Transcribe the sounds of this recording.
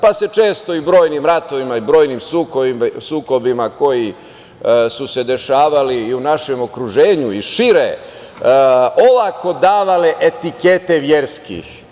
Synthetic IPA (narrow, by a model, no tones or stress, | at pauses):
pase̞t͡ʃe̞ːst̪o̞ibɾo̞ːjnimɾat̪o̞ʋimaibɾo̞ːjnimsuksuːko̞bimako̞ji | suse̞d̪e̞ʃaːʋaliːunaʃe̞mo̞kɾuʒe̞ːɲuiʃiɾe | oʋako̞d̪aːʋaleʔet̪ike̞t̪e̞ʋje̞ɾskḭx